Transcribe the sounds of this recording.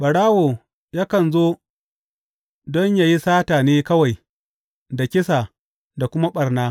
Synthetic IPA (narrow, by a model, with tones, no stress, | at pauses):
ɓɐ˨ɽaː˦woː˨ | jaː˦kɐ˨nzoː˦ | dɔ˦ɲja˦ji˦saː˦taː˨neː˦kɐ˦wa˨j | da˨kʲɪ˦sa˨ | da˨kʷʊ˦ma˦ɓɐ˨rnaː˦